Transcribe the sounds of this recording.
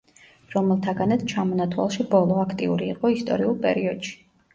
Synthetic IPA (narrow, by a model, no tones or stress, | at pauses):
ɾɔmɛlˠt̪ʰaɡanat̪ʰt͡ʃʰamɔnat̪ʰwa̰lˠʃibɔlˠɔakʰt̪ʼiuɾiːqʼɔist̪ʼɔ̰ɾiulˠpʼɛ̰ɾiɔd̪̥ʃi̥